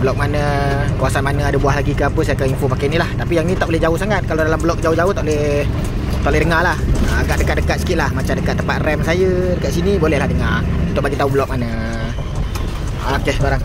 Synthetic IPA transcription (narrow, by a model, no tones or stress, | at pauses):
bəlɔk̚manəkuasanmanəadəbuaɦlaɡikəapəsajəkaŋinfopakanilaht̪apijaŋnit̪aʔbolɛhd͡ʒaʊhsaŋat̪̚kaladalambəlɔk̚d͡ʒaʊd͡ʒaʊht̪aʔlɛ | t̪aʔlɛhdəŋalahəaɡaʔ̚dəkat̪̚dəkat̪̚sə̥kit̪̚lahmat͡ʃamdəkat̪ːəmpat̪̚rɛmsajədəkat̪̚sinibolɛhlahdəŋarunt̪ʊk̚baɡit̪aubəlɔk̚manə | aokeskoɾaŋ